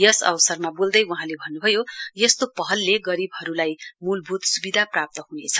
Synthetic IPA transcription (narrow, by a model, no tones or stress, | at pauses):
jʌsʌ̰wsʌrmabold̪ʌjuɦãlebʱʌnːubʱʌjojʌst̪opʌɦʌlːeɡʌɾibɦʌɾulajmulbʱut̪subid̪ʱaprap̚t̪ʌɦunet͡sʰʌ